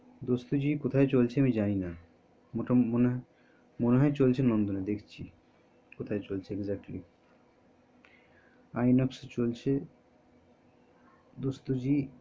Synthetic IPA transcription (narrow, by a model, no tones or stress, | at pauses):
d̪ost̪ud͡ʑikot̪ʰaet͡ɕolt͡ɕʰeamid͡ʑanina | moʈamone | moneɦɔet͡ɕolt͡ɕʰenond̪oned̪ekʰt͡ɕʰi | kot̪ʰaet͡ɕolt͡ɕʰeːɡzak̚ʈli | ajnɔkst͡ɕolt͡ɕʰe | d̪ost̪ud͡ʑi